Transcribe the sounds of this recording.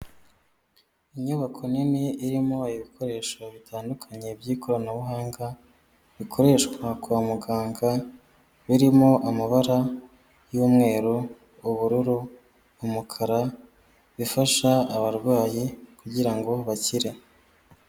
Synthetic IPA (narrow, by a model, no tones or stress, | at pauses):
iɲuβakʰo̞nimiiɾimo̞iβikʰo̞ɾe̞ːʃaβitʰaːndukʰaɲe̞bjiːkʰo̞ɾanaβuɦaːŋɡa | βikʰo̞ɾe̞ːʃkwakuaːmuɡaːŋɡa | βiɾimo̞ʔamaβaɾa | juːmŋe̞ːɾoː | βuɾuɾuː | mukʰaɾa | βifaʃaːβaɾɡwaːjikuɟiɾaŋɡo̞βaciɾe